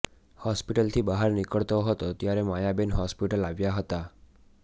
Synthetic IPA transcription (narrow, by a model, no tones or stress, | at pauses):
hɔspiʈəlt̪ʰibəɦaɾnikəɭt̪oɦət̪ot̪jaɾemajabenɦɔspiʈəlaʋjaɦət̪a